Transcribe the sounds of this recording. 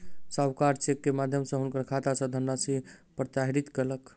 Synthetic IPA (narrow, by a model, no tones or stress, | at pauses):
sawkaɾt͡ʃekːemad̪ʱjəmsə̃ɦunkəɾkʰat̪asə̃d̪ʱənːasipɾət̪aɦiɾit̪kelək